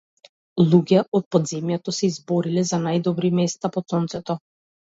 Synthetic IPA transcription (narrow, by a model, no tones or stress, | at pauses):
lˠuɡʲɛʔɔt̪̚pɔd̪zɛmjat̪ɔsɛizbɔɾilɛzanajd̪ɔbɾimɛst̪apɔt̪sɔnt̪sɛt̪ɔ